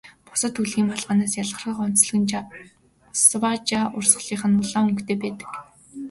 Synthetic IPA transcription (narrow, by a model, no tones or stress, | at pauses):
pʊ̥sə̆t̪uɮɣiːmpaɮʁaːnaːsjaɮ̆ə̆rχiːχɔn̥t͡sɮ̆ɣɘ̆n | swat͡ɕaːʔʊrsə̆ɮiːχə̆nʊɮaːɵŋkt̪eːpæːt̪ə̥̆k